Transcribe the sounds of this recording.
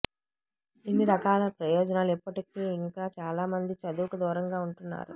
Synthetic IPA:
inːiɾɐkaːlɐpɾɐjɔːd͡ʒɐnaːluipːɐʈɐkiːiŋkaːt͡ʃaːlaːmɐnd̪it͡ʃɐd̪uːkɐd̪ɔːɾɐŋɡaːuɳʈunːa̰ːɾṵ

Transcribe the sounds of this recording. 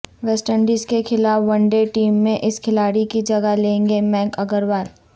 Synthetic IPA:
ʋɛːsʈəɳɖiːzkexɪlaːfʋɐ̃ɳɖeʈiːmːẽʔɪskʰɪlaːɽikid͡ʒɐɡalẽːŋɡemɛ̃ːŋkɐɡəɾwaːl

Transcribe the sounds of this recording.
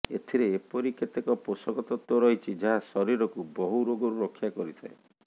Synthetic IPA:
ḛt̪ʰiɾeːpɔɾiket̪ekɔposɔɡɔt̪ɔt̪wɔɾɔɦit͡ʃʰid͡ʒaɦasɔɾiɾɔkubɔɦuɾoɡɔɾuɾɔkʰːjakɔɾit̪ʰae

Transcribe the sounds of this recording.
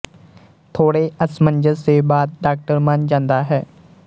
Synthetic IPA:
t̪ʰoːɽeːəsməɲd͡ʒəseːbaːd̪̚ɖaːk̚ʈəɾmand͡ʒãːnd̪aːɦɛː

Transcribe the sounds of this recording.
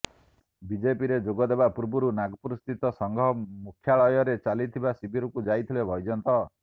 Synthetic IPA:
bid͡ʒepiɾed͡ʒoɡɔd̪eβapuɾbuɾunaɡɔpuɾst̪ʰit̪ɔsɔŋɡʱɔmukʰjaɭɔjɔɾet͡ʃalit̪ʰibasibʱiɾɔkud͡ʒajt̪ʰilebʱɔjd͡ʒɔnt̪ɔ

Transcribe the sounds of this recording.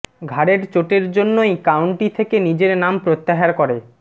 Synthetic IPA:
ɡʱaɾeɾt͡ɕoʈeɾd͡ʑonːojkawɳʈit̪ʰekenid͡ʑeɾnampɾot̪ːaɦaɾkɔɾe

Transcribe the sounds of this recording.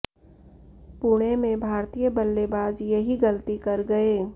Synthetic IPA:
puːɽ̃emẽbʱaːɾt̪ijəbəlːebaːd͡ʒjɐɦiɡəlt̪ikɐɾɡɐeː

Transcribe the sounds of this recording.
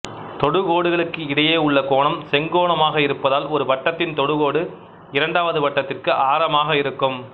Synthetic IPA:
t̪ɔɽɯɣoːɽɯɣɐɭɯkːɯɪɽɐjeːʊɭːɐkoːɳɐmsɛŋɡoːɳɐmaːɣɐɪɾɯpːɐðaːlɔɾɯʋɐʈːɐt̪ːɪnt̪ɔɽɯɣoːɽɯ | ɪɾɐɳɖaːʋɐðɯʋɐʈːɐt̪ːɪrkɯʔaːɾɐmaːɣɐɪɾɯkːɯm

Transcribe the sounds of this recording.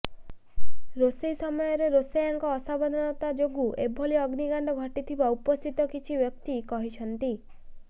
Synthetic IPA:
ɾosejsɔmɔjɔɾeɾosejaŋkɔːsabɔd̪ʱɔnɔt̪ad͡ʒoɡuʔebʱoliɔɡniɡaɳɖɔɡʱɔʈit̪ʰibaupɔst̪ʰit̪ɔkit͡ʃʰibjɔk̚t̪ikɔɦit͡ʃʰɔnt̪i

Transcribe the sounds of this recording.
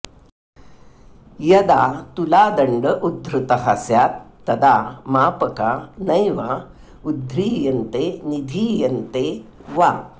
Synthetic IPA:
jɐd̪at̪ulad̪əɳɖəʔud̪ʱːɾut̪əɦasjat̪ːəd̪amapəkanəjʋa | ud̪ʱɾiːjənt̪enid̪ʱiːjənt̪eʋa

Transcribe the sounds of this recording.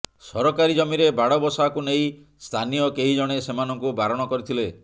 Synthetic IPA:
sɔɾɔkaɾid͡ʒɔmiɾebaɽɔbɔsɔakunej̃ | st̪ʰanijɔkeɦid͡ʒɔɽ̃esemanɔŋkubaɾɔɽ̃ɔkɔɾit̪ʰile

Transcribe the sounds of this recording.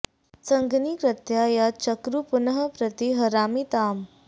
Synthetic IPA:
t͡səŋɡniːkɾət̪jajat͡ɕəkɾupunəɦəpɾət̪iɦəɾamit̪aːm

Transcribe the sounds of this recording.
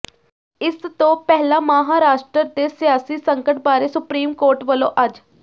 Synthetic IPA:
ɪst̪õːpɛɦlãːmaɦaːɾaːʃʈɾəɾd̪eːsɪjaːsiːsəŋkəʈbaːɾeːsʊpɾiːmkoːɾʈʋəlõːʔɐd͡ʒ

